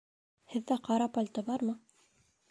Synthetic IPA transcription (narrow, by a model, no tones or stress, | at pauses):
hɘ̆ðːæqɑɾɑpalʲt̪ɤbɑɾmɤ